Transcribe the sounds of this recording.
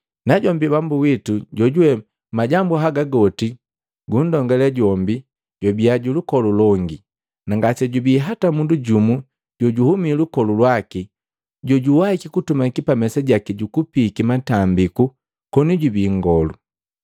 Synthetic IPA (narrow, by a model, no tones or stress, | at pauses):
naɟɔmbibambuwituɟɔɟuwɛ | maɟambuɦaɡaɡɔti | ɡundɔŋɡɛlɛɟɔmbi | ɟɔbiaɟulukɔlulɔŋɡi | naŋɡat͡ʃɛɟubiːɦatamunduɟumu | ɟɔɟuhumilukɔlulwaki | ɟɔɟuwahikikutumakipamɛsaɟakiɟukupikimatambiku | kɔniɟubiːŋɡɔlu